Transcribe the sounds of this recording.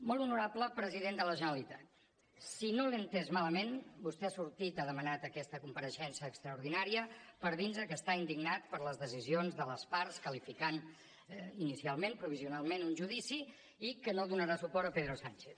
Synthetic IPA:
molˠunuɾapləpɾəziðend̪ələʒənəlit̪at̪ | sinolənt̪ɛzmaləmenbust̪ɛasuɾt̪it̪aðəmənat̪əkɛst̪əkumpəɾəʃɛnsəːkst̪ɾəuɾðinaɾiəpəɾðinzðəkəːst̪aind̪iɡnat̪̚pəɾləzðəzizionzðələspaɾskəlifikan | inisialˠmenpɾuβ̞iziunalˠmenunʲʒuðisi | ikənoðunəɾasupɔɾt̪əpeðɾusant͡ʃeθ

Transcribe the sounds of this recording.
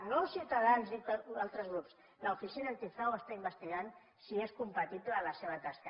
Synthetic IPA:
nowsiuwt̪aðanzit̪alˠt̪ɾəzɣɾups | laufisinant̪iθawəst̪aimbəst̪iɣan | sieskumpat̪iβləlaseβ̞ət̪askə

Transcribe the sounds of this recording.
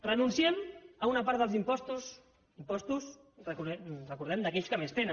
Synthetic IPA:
rənunsiɛməunɐpaɾt̪ðəlˠzimpɔst̪us | impɔst̪us | rəkurəkuɾðɛmd̪ɐkɛʎskəmest̪enə

